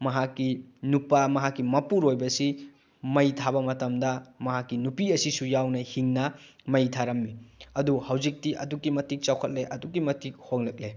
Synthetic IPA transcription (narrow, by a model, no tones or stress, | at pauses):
mɐɦakːinupamɐɦakːimɐpuɾojbɐsi | mɐjtʰabɐmɐtɐmdɐmɐɦakːinupiɐsisujawnɐhiŋnɐmɐjtʰaɾɐmːiɐduhɐwzik̚tiʔɐdukːimɐtik̚t͡ʃawkʰɐt̚leʔɐdukːimɐtik̚hoŋlɐk̚le